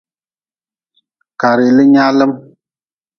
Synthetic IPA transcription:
ka˨ɾi˨lɨ˦ɲa˦lɨ˦m

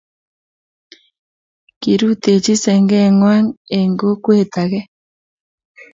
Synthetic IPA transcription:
ki˨ɾu˦t̪e˨t͡ʃi˦sɛ˨ŋɡɛ˦˨ŋwa˦ŋe˨ŋɡo˦kwe˦˨t̪a˨ɣɛ˦

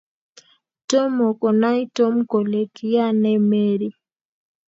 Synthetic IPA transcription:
to˦mo˨ko˨na˦i˦to˦m˦ko˨le˨ki˦ja˦nɛ˦me˦ɾi˦

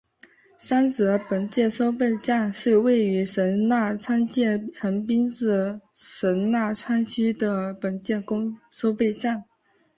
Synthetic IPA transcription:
ʂa˥nt͡sɤ˧˥pə˨˩nt͡ɕjɛ˥˩nʂo˥ʊpe˥˧ɪʈ͡ʂa˥˧nʂɻ̩˥˧we˥˩ɪy˧˥ʂə˧˥nna˥˩ʈ͡ʂʰwa˥nt͡ɕjɛ˥˩ʈ͡ʂʰə˧˥npi˥nt͡sɹ̩˥˩ʂə˧˥nna˥˩ʈ͡ʂʰwa˥nt͡ɕʰy˥d̪ə˨pə˨˩nt͡ɕjɛ˥˩nkʊ˥ŋʂo˥ʊfe˥˧ɪʈ͡ʂa˥˩n

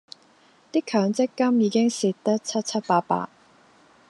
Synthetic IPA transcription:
t̪iː˥kʰœː˨˥ŋt͡sɪ˥kːɐ˥mjiː˨˧kɪ˥ŋsi˨˧t̚t̪ɐ˥k̚t͡sʰɐ˥t̚t͡sʰɐ˥t̚paː˧t̚pa̰ː˧˥t̚

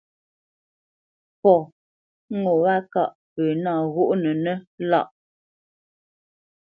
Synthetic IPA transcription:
pɔ˨˦ | ŋo˨wa˦ka˦˨ʔ | pə˨na˦˨ɣu˦ʔnə˨nə˦la̰˦˨ʔ

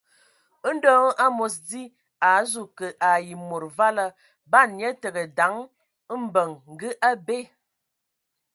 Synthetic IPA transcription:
ə˦n̩˦dɔː˦ŋ˦ʔa˦mo˨sdi˦ | a˨zu˨kə˨ʔa˨ji˨mo˨ɾva˦lə˦ | ba˦˨njə˦tə˨ɡə˨da˨˦ŋ˦ | m̩˦bə˨ŋŋ̩˨ɡɨ˦ʔa˦be˦˨

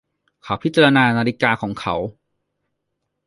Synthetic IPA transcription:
kʰa˦˥wpʰi˦˥t̪t͡ɕa˧ɾa˧naː˧naː˧ɾi˦˥kaː˧kʰɔː˩˦ŋkʰa˦˥w

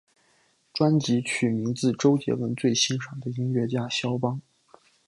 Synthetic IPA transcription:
ʈ͡ʂwa˥nt͡ɕi˧˥t͡ɕʰy˨˩mi˧˥ŋt͡sɹ̩˥˩ʈ͡ʂo˥ʊt͡ɕjɛ̰˧˥wə˧˥nt͡swe˥˩ɪɕi˥nʂɑ˨˩ŋd̪ə˦i˥ŋɥɛ˧˥t͡ɕja˥˩ɕjɑ˥ʊpɑ˥ŋ

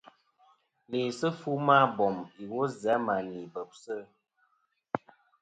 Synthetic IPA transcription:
ni˨sə˦fu˦ma˦bɔ˨mi˨wo˦zɛ˨˦ma˨ni˨bə˨p̚sə˦˨˦

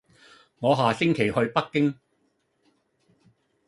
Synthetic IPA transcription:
ŋɔː˨˧ɦaː˨˩sɪ˥ŋkʰe˨˩jhɵ˧ɥpɐ˥kːɪ˥ŋ

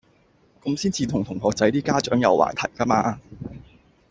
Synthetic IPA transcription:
ko˨˥msiː˥nt͡siː˧t̪ʰʊ˨˩ŋt̪ʰʊ˨˩ŋɦɔː˨˧k̚t͡sɐ˨˥jt̪iː˥kaː˥t͡ʃœː˨˥ŋjɐ̰˨wʔa̰ː˨˩jt̪ʰɐ˨˩jkaː˥maː˧

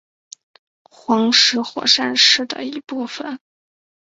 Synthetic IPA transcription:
xwɑ˧˥ŋʂɻ̩˧˥xwɔ̰˨˩ʂa˥˧nʂɻ̩˥˩d̪ə̰˩i˧˥pu˥˩fə˨˩n

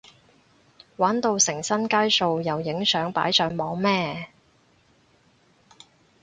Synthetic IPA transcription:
waː˨˥nt̪o˧wsɪ˨˩ŋsɐ˥nkaː˥jso˧wjɐ˨wjɪ˨˥ŋsœː˨˥ŋpa̰ː˨˥jsœː˨˥ŋmɔː˨˥ŋmɛː˥

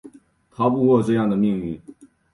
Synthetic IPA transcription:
t̪ʰɑ˧˥ʊp̬u˥˧kwɔ˥˧ʈ͡ʂɤ˥˧jɑ˥˩ŋd̪ə˩mi˥˧ŋy˥˩

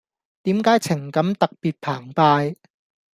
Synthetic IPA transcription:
t̪iː˨˥mkaː˨˥jt͡sʰɪ˨˩ŋkɐ˨˥mt̪ɐ˨k̚piː˨t̚pʰaː˨˩ŋpaː˧j

